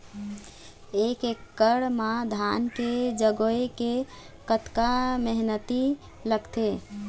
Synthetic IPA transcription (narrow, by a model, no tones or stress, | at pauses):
ekekːəɽmãd̪ʱanked͡ʒəɡoeke | kət̪kaməɦnət̪i | ləɡt̪e